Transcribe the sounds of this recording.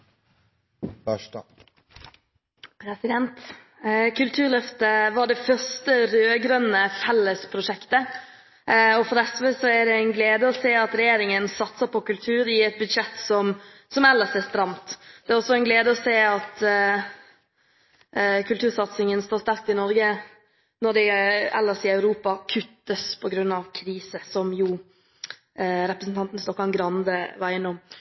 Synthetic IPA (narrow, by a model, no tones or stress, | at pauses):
pʰɾɛsɪd̪ɛnt̪ | kʰʉlt̪ʰʉːɾɭœft̪əʋɑɖɛfœɾst̪əɾøːɡɾœnːəfɛlːəspʰɾʊʂɛkt̪ə | ɔfɔɾɛsʋəsɔæd̪ɛæɪnɡleːd̪əɔseːɑt̪ɾɛjeːɾɪŋənsɑt̪səpʰɔkʉlt̪ʰʉːɾɪɛt̪̚bʉd̪ʂɛt̪ːsɔm | sɔmɛlːəsæst̪ɾɑmt̪d̪̥ɛæɾɔsːɔɛnɡleːd̪əɔseːɑt̪ | kʰʉlt̪ʉːɾsɑt̪sɪŋənst̪oːɾst̪æɾk̚t̪ɪnɔɾɡə | nɔɖ̪ɛɛlːəʂɪɑʉɾuːpɑkʰʉt̪ːəspʰɔɡɾʉnːɑʋkʰɾiːsəsɔmjʊ | ɾɛpɾəsn̩t̪ɑnt̪n̩st̪ɔkːɑnɡɾɑnd̪əʋɑɾjɪnːɔm